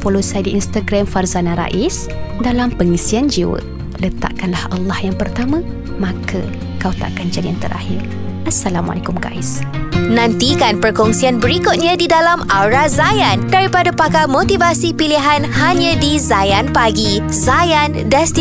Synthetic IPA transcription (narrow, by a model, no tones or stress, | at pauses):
folosajdiinst̪aɡɾamfarzanãɾa̰ʔis | dalampəŋisiand͡ʒiwə̰ | lət̪a̰ʔkanlahʔɑlːahjaŋpərt̪amã | mãkʰa̰ | kawt̪a̰ʔkand͡ʒadiant̪əɾʔa̰hir | ʔasːalama̰lekumka̰isnãnt̪ikanpərkɔŋsianbəɾikʊt̪̚ɲãdidalamawɾazajandaɾipadapakamot̪ivasipiliɦanhaɲãdizajanpaɡi | zajan | dast̪i